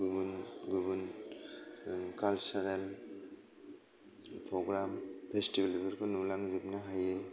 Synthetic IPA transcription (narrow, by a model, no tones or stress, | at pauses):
ɡubunɡubun | kalsaɾel | pɾɔɡɾampʰestibalibaɾkʰɔnulaŋzip̚naɦaje